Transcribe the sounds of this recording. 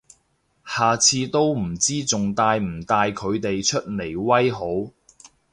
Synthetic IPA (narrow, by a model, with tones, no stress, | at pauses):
haː˨˩t͡sʰiː˧t̪o˥wm̩˨˩t͡siː˥t͡sʊ˨ŋt̪aː˧jm̩˨˩t̪aː˧jkʰɵ˨˧ɥt̪e˨jt͡ʃʰɵ˥t̚le˨˩jwɐ˥jɦo˨˥w